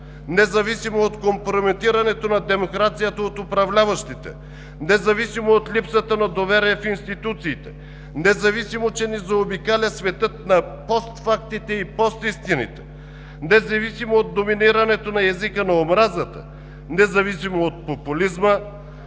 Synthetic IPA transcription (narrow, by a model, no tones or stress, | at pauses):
nɛzɐvisimoːt̪kompɾomɛt̪iɾɐnɛt̪onɐd̪ɛmokɾat̪sijət̪əot̪ʊpɾɐvlʲavɐʃt̪it̪ɛ̰ | nɛzɐvisimoːt̪lipsət̪ənɐd̪ovɛɾiɛfinst̪it̪ut̪siːt̪ɛ̥ | nɛzɐvisimot͡ʃɛnɛzɐobikalʲəsvɛt̪ɤt̪̚nɐpɔst̪fak̚t̪it̪ɛipɔst̪ist̪inḭt̪ɛ̥ | nɛzɐvisimoːd̪̚d̪ominiɾɐnɛt̪onɐjazikənɐomɾazət̪ə̰ | nɛzɐvisimoot̪̚populizmə